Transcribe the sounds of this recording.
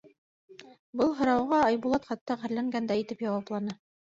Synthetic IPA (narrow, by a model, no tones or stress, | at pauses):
bɤlˠɦɤ̆ɾɑwʁɑɑjbulˠɑt̪χɑt̪ːɑʁɘ̆ɾlæŋɡænd̪æit̪ɘpjɑwɑplˠɑnɤ